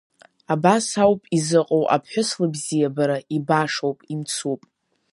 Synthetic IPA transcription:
abasawpʼizɨqʼowʔa̰pʰħʷʊslɨbzijabaɾaʔibaʂowpʼimt͡sʰupʼ

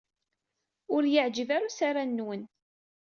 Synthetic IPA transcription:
ʊɾjəʕd͡ʒəvaɾusaɾanːwən

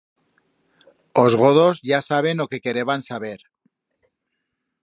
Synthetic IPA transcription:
ozɣoð̞o̞zʝasaβ̞e̞no̞ke̞ke̞ɾe̞βansaβe̞ɾ

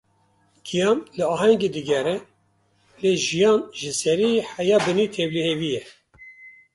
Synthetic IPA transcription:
ɡ̥ijɑːnlɨɑːhɛŋɡed̪ɨɡɛɾɛ | leːʒijɑːnʒɨsɛɾiːħæjɑːbɨniːt̪ʰɛblihevijɛ

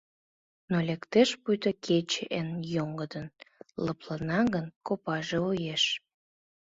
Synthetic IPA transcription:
nolʲekt̪eʃpujt̪əkʰet͡ɕeʔenjoŋɡəd̪ənləplənɑɣənkopɑʒeojeʃ

